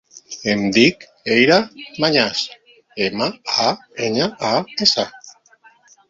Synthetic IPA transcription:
emd̪ik | ejɾamaɲas | emaaeɲaaesa

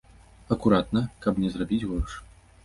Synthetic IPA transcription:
ɐkuɾat̪nɐkɐbnʲɛzrabʲid͡zʲɣɔrʂ

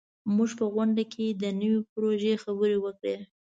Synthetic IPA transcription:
muʒpəɣwaɳɖakʰed̪ənəwipɾoʒexabəɾewəkɽe

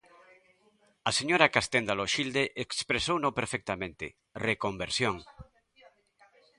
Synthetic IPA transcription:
aseɲoɾakast̪end̪aloʃild̪eʔekspɾesownõpeɾfek̚t̪amẽnt̪ḛ | rekombeɾsjoŋ

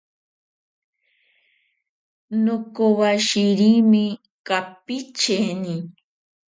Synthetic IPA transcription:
nokowaʃiɾimɪ | kapit͡ʃeni

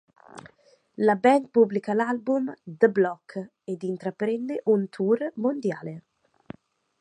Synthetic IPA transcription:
labɛnpublikalalbumd̪əblɔkʰː | ɛd̪int̪ɾapɾɛnːeʔunt̪ʰuːrmond̪jaːle

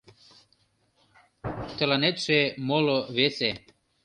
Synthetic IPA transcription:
t̪ə̆lɑnet̪ʃemoloβese

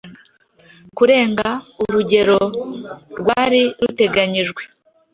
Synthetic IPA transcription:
kuɾe̞ːŋɡauɾuɟe̞ɾo̞ | ɾɡwaːɾiɾute̞ɡaɲiʒɡwe̞

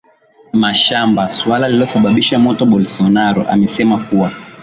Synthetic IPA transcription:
maʃambaswalalilɔsaɓaɓiʃamɔtɔɓɔlsɔnaɾɔ̰ʔa̰mɛsɛmakuwa

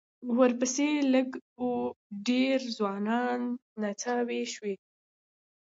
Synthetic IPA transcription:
wəɾpəseləɡoɖeɾzwɑnɑnːat͡saweʃwe

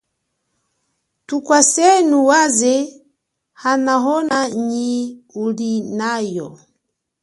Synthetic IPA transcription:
tukwasɛnuwazɛ | hanaɦɔnaɲiulinajɔ

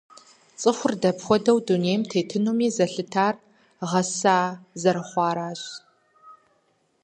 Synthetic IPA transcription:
t͡sʼɨxʷʊrdɐpxʷɔdɐwduneːjmtʰeːtʰɨnumiːzɐɬɨtʰaːr | ʁɐsaːzɐɾɐχʷɑːɾaːɕ

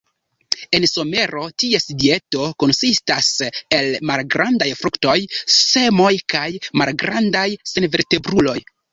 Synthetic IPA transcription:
e̞nso̞me̞ɾo̞tiesidie̞to̞ko̞nsistase̞lmalɡɾandajfɾukto̞jse̞mo̞jkajmalɡɾandajse̞nve̞ɾte̞bɾulo̞j

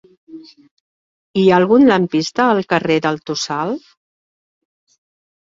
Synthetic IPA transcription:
iaəlɣunləmpist̪əːlˠkəreðəlˠt̪usal

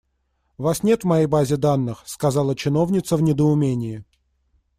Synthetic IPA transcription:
ʊvasnʲe̞t̪vmɐjejbazʲɪd̪anːɨxskɐzɑlˠət͡ɕɪno̞vnʲɪt̪səvnʲɪd̪əʊmʲenʲɪjɪ

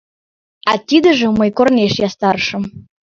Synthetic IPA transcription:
ɑt̪ʲid̪ə̆ʒə̆məjkornʲeʃjɑst̪ɑɾʃə̆m

